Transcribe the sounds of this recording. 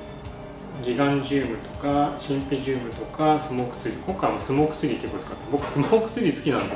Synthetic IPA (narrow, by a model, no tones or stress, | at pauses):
ɡʲiɡãɲ̟d͡ʑɨːmɯ̟t̪o̞̥kaɕĩmpʲiʑɨːmɯ̟t̪o̞kasɨmo̞ːkɯ̥sɨɾʲikõ̞ŋkːamasɨmo̞ːkɯ̟̥sɨɾʲike̞kːot͡sɨ̥kat̪ːebokɯ̟̥sɨmoːkɯ̟̥sɨɾʲisɨ̥kʲinã̰nd̪a